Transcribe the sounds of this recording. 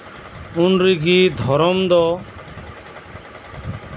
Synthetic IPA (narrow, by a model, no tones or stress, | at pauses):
ʊnɾiɡiːd̪ʱɔɾɔmd̪ɔ